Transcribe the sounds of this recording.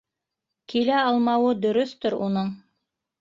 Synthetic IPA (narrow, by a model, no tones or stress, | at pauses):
kilæɑlˠmɑwɤd̪ɵ̆ɾɵθt̪ɵɾunɤɴ